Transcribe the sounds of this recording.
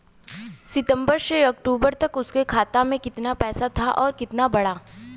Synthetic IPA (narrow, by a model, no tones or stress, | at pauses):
sɪt̪ə̃mbəɾseɔːkʈuːbəɾt̪ɐkʊskekʰaːt̪amẽkɪt̪napɛːsat̪ʰaʔɔːɾkɪt̪nabɐɽaː